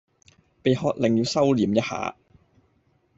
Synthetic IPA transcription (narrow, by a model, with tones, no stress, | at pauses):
pe˨jhɔː˨˧k̚lɪ˨ŋjiː˨˧wsɐ˥wliː˨˥mjɐ˥t̚ha̰ː˨˥